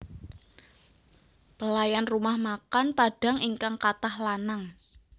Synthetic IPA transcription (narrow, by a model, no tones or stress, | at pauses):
b̥əlajanrumahmakanpaɖ̥a̤ŋiŋkaŋkat̪ahlanaŋ